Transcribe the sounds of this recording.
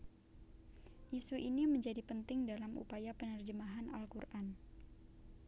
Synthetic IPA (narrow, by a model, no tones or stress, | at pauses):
ʔisuʔiniməɲd͡ʒadipənt̪ɪŋdalamʔṵpajapənərd͡ʒəmaɦanalkurʔan